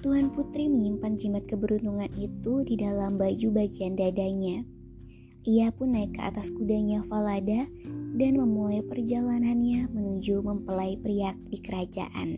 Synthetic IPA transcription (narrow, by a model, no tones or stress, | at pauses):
t̪uɦanput̪ɾiməɲimpand͡ʒimat̪̚kəbəɾunt̪uŋanit̪udidalambad͡ʒubaɡiandadaɲa | ʔiapʊnːaikːəa̰t̪askudaɲafalada | danməmulajpərd͡ʒalananɲamənud͡ʒuməmpəlaipəɾiak̚dikəɾad͡ʒa̰ʔa̰n